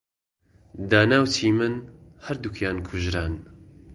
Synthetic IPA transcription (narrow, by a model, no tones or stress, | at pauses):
d̪aːnaːwtʰiːmɨnhɐɾd̪ukʰjaːnkʰʊʒɾaːn